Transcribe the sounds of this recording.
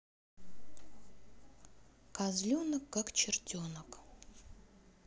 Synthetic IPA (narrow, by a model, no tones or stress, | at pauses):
kazlʲonəkːakt͡ɕɪrtʲonək